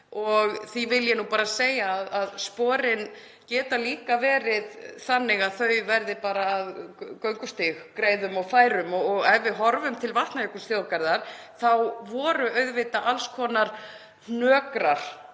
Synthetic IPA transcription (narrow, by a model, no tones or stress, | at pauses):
ɔɣθivɪljɛnupaːɾasejaːðaðspɔːɾɪn | cɛːt̪aliːkavɛːɾɪðθanːɪɣaðθœɥvɛɾðɪpaːɾaːðkœɥŋkʏst̪ɪxkɾeːjðʏmɔɣfaːjɾʏmɔɔɣɛvɪɦɔɾvʏmt̪ʰɪlvaht̪naɛkʏsθjowkaɾðaɾ̥θawvɔːɾʏœɥðvɪt̪aʔalskʰɔːnaɾ̥ | hnœːkɾaɾ̥